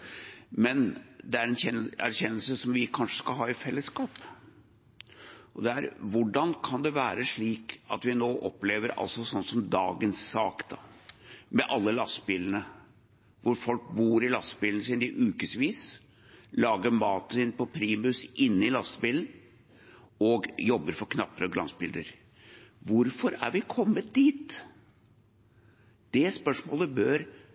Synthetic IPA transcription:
mɛnd̪ɛæɾɛnçɛnæ̰ɾçɛnːəlsəsɔmʋɪkʰɑnʂə̥skɑlɦɑːɪfɛlːəskɑːp | ʔɔd̪ɛæɾʋʊɖɑnkʰɑnd̪ɛʋæːɾəʂɭiːkɑt̪ʋɪnoːʔɔpleːʋəɾɑ̰lsɔsɔnːsɔmd̪ɑ̰ːɡənsːɑːkd̪ɑ | mɛʔɑlːəlɑst̪biːln̩ə | ʋʊɾfɔlk̚buːɾɪlɑst̪əbiːln̩sɪnɪʔʉːkəsʋiːs | lɑːɡəmɑːt̪nsɪnpɔpʰɾiːmʉsʔɪnːɪlɑst̪əbiːln̩ | ɔɡjɔbːəɾfɔɾkʰnɑpːəɾɔɡlɑ̰nsbɪld̪əɾ | ʋʊɾfɔɾæ̰ɾʋɪkʰɔmːət̪̚d̪iːt̪ | d̪̥ɛspœʂmoːləbøːɾ

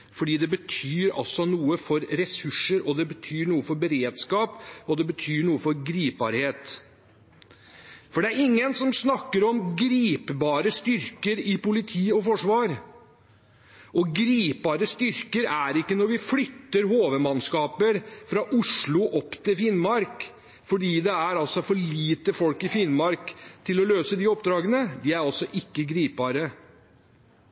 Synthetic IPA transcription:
fɔɖiːd̪ɛbət̪ʰyːɾɑ̰sɔnuːəfɔɾɾɛsʉʂːəɾɔd̪ɛbət̪ʰyːɳuːəfɔɾbəɾeːd̪skɑːpɔd̪ɛbət̪ʰyːɳuːəfɔɾɡɾiːp̚bɑ̰ːɾheːt̪ | fɔɖɛæɾɪŋːənsɔmsnɑkːəɾɔmɡɾiːpbɑːɾəst̪ʏɾkəɾɪpʊlɪt̪ʰiːɔfɔʂʋɑːɾ | ʔɔɡɾiːpɑːɾəst̪ʏɾkəɾæɾɪkːənɔɾʋɪflʏt̪ːəɾɦoːʋəmɑnskɑːpəɾfɾɑʔʊʂɭʊʔɔpːt̪ʰɪlfɪnmɑɾk | fɔɖiːd̪ɛæɾɑlsɔfɔɭiːt̪əfɔlkɪfɪnmɑɾkt̪ʰɪlɔløːsəd̪ɪɔp̚d̪ɾɑːɡənəd̪ɪæɾɑlsɔʔɪkːəɡɾiːp̚bɑːɾə

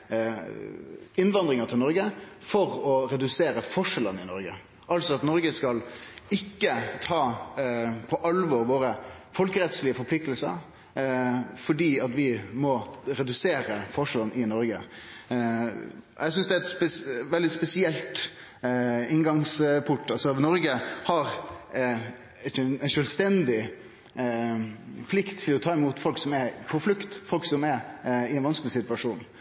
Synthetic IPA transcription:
ɪnʋɑnd̪ɾɪŋət̪ʰɪlnɔɾɡəfɔɾɔɾɛd̪ʉseːɾəfɔʂɛlənɪnɔɾɡə̰ | ɑlsɔɑt̪nɔɾɡəskɑlɪkːət̪ʰɑː | pʰɔʔɑlʋɔɾʋoːɾəfɔlkəɾɛt̪slɪəfɔɾpʰlɪk̚t̪əlsə̰ɾ | fɔɖiːɑt̪ʋɪmɔɾɛd̪ʉseːɾəfɔʂɛlənʔɪnɔɾɡə̰ | ɛɪsʏnsd̪ɛæɛt̪spɛʋɛld̪ɪspɛsɪɛlt̪ | ɪŋɡɑŋspʰʊʈːɑsɔnɔɾɡəhɑɾ | ɛnʃœlst̪ɛnd̪ɪ | pʰlɪkt̪ʰːɪlɔt̪ʰɑːɪmuːt̪fɔlksɔmɛɾpʰɔflʉkt̪fɔlksɔmɛɪɛnʋɑnsklɪsɪt̪ʉɑʂuːn

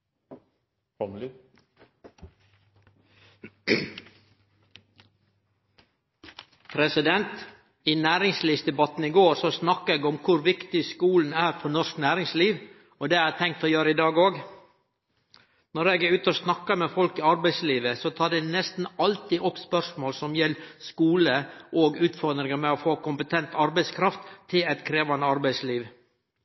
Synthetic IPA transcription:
pʰɾɛsɪd̪ɛnt̪ | ɪnæːɾɪŋsliːʋsd̪ɛbɑt̪n̩ɪɡoːɾsɔsnɑkːəɛːɡɔmkʰʊɾʋɪkt̪ɪskuːln̩æːɾfɔɳɔsknæːɾɪŋsliːʋ | ɔd̪ɛæt̪ʰɛŋk̚t̪ʰɔjøːɾəɪd̪ɑːɡoːɡ | nɔɾɛɡʉːt̪əɔsnɑkːɑmɛfɔlkɪɑɾbæɪsliːʋəsɔt̪ʰɑːɖɛnɛst̪n̩ɑlt̪ɪʔɔpːspœʂmoːlsɔmjɛlːskuːləʔoːɡʉːt̪fɔɾd̪ɾɪŋəmɛɔfoːkʊmpət̪ʰɛnt̪ɑɾbæɪskʰɾɑft̪ʰːɪlɛt̪kʰɾeːʋɑnəɑɾbæɪsliːʋ

